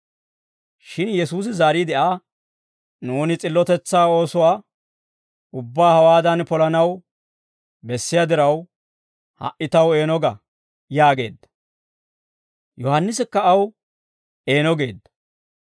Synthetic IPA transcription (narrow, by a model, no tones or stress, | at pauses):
ʃɪnjɛsuːs̬ɪzaːɾiːd̪ɛʔaː | nuːnɪt͡sʼɪlːɔt̪ɛt͡sːaːo̞ːsɔwaː | ʊbːaːhɐwaːd̪ɐnpɔlɐnɐw | bɛsːɪjad̪ɪɾɐw | hɐ̰ʔɪt̪ɐwe̞ːnɔɡɐ | jaːɡe̞ːd̪ːɐ̥ | jɔhɐnːɪsɪkːɐːw | e̞ːnɔɡe̞ːd̪ːɐ̥